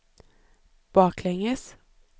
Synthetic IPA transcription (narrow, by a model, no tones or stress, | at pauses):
b̥ɑːkʰlɛŋəs